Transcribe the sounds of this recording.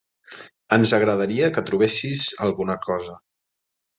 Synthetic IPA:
ənzəɣɾəðəɾiəkət̪ɾuβ̞esizəlˠɣunəkʰɔzə

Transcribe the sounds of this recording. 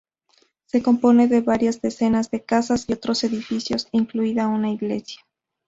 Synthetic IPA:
se̞ko̞mpo̞ne̞ðe̞βaɾjazðe̞se̞nazðe̞kasasio̞t̪ɾo̞se̞ðifisjo̞siŋkluiðaunaiɣle̞sja

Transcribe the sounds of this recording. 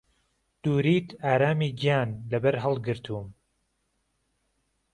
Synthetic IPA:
d̪̥uːɾiːt̪ʰaːɾaːmiːɡijaːnlɐbɐɾɦɐlˠɡɨɾt̪ʰuːm

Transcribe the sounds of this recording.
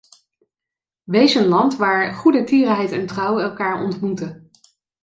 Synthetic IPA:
ʋejzənlɑntʋaːɹχudətiːrɦɛjtɛntrʌwɛlˠkaːɹɔ̰ntmutə

